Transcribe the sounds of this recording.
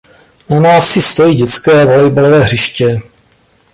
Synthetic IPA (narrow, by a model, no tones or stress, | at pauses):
nanaːfsɪst̪o̞jiːɟɛt͡skɛːvolɛjbalovɛːɦr̝ɪʃcɛ